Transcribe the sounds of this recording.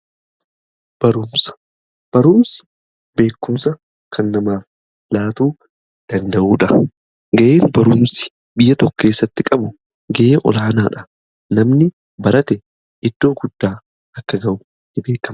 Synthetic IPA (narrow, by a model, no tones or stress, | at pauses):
b̥ɐɾʊmsɐ̥ | b̥ɐɾʊmsɐ̥ | be̞ːkːʊmsɐ | kʰɐnːɐmaːf | laːt̪uː | d̪̥ɐnd̪ɐʔuːᶑɐ | ɡɐʔeːnbɐɾʊmsɪ̥ | bɪjːɐt̪ɔkːe̞ːsːɐt̪ːɪkʼɐbʊ | ɡɐʔeːʔɔ̰laːnaːᶑɐ̥ | nɐmnɪ | bɐɾɐt̪ɛ | ɪd̪̥ːo̞ːɡʊd̪̥ːaː | ɐkːɐɡɐʔʊ | nɪbe̞ːkːɐm